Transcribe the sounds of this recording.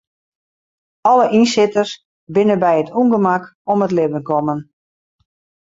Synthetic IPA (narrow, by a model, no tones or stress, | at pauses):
ɔləʔinsɪtərs | bɪnəbɛjətʰuŋɡəmakɔmətlɪvənkɔmən